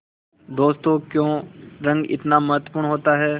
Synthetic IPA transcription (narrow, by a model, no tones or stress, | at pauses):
d̪oːst̪okjõːɾɐ̃ŋɡɪ̰t̪namɐɦət̪wə̥puːɾɳɦoːt̪aɦɛː